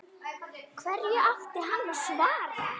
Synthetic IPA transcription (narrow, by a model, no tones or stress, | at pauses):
kʰvɛɾjʏʔaft̪ɪɦanːvaɾ̥svaːɾ